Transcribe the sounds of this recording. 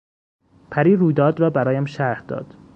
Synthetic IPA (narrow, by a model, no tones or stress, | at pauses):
pʰæɾiːɾuːjd̪ɒːd̪ɾɒːbæɾɒːjæmʃæɾhd̪̥ɒ̰ːd̪̥